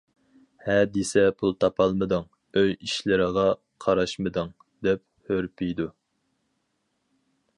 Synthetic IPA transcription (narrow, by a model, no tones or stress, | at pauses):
hɛd̪isɛpʰulˠt̪ʰɑpʰɑlˠmɨd̪ɨŋ | øjiʃlɪɾɪʁɑ | qʰɑɾɑʃmɨd̪ɨŋ | d̪ɛp̚ | høɾpʰijd̪u